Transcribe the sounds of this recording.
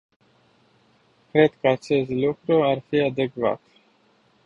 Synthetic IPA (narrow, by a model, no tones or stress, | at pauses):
kɾe̞d̪kəat͡ʃe̞st̪lukɾuarfiad̪e̞kva̰t̪